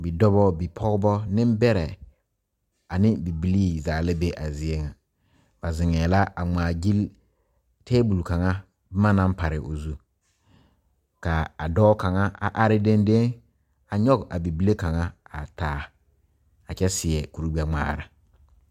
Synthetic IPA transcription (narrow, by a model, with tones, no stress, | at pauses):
bi˨dɔ˦bɔ˦bi˨pʰɔ˦ɡbɔ˦nɪ̃˦mbɛ˦ɾɛ˨ | a˨nɪ˦bi˨bi˦li˦zaː˨lɪ˦be˦ʔa˨zɪ˨˦e˦ŋa˨ | ba˨zɪ˨ŋɛː˨la˦a˨ŋ͡maː˨ɡi˦l | tʰe˦bu˨lka˨ŋa˦ | bma˦na˦mpa˨ɾɪ˨ʔo˨zu˦ | ka˨a˨dɔː˦ka˨ŋa˦a˨ʔa˦ɾɪ˦de˦nde˦ŋ | a˨ɲɔ˦ɡa˨bi˨bi˦le˦ka˨ŋa˦a˨taː˨˦ | a˨t͡ʃɛ˦sɪ˨ɛ˨ku˨ɾu˦ɡ͡bi˦a˦ŋ͡ma̰ː˨ɾa̰˨